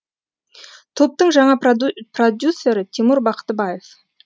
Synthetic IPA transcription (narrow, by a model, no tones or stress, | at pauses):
t̪ʰop̚t̪əɴʒɑɴɑprod̪ʲjusːe̞ɾɪt̪ʰemuɾbɑqə̥t̪əbɑje̞f